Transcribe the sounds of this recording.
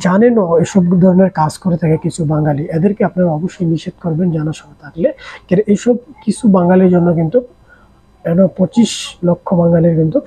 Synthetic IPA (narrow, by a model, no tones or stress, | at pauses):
d͡ʑanenɔeʃɔbd̪ʱɔɾoneɾkad͡ʑkoɾet̪ʰakekit͡ɕʰubaŋɡaliɛd̪eɾkeapnaɾaɔboʃːojniʃed̪̚koɾbend͡ʑanaʃɔbet̪ʰaklekɛɾʔeʃɔb̚kit͡ɕʰubaŋɡaliɾd͡ʑonːok̬int̪u | ɛnopɔt͡ɕiʃlokʰːobaŋɡaliɾkint̪u